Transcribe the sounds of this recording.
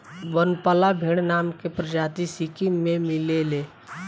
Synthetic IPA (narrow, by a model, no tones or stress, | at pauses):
ʋənpalabʱeɽ̃naːmkepɾəd͡ʒaːt̪isikimẽmɪlele